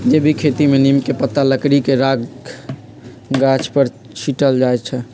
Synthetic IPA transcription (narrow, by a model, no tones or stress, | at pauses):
d͡ʒebʱikʰet̪imenimkepət̪ːaləkɾikeɾaɡ | ɡat͡ʃʰpəɾ | t͡ʃʰiʈəld͡ʒajt͡ʃʰɛ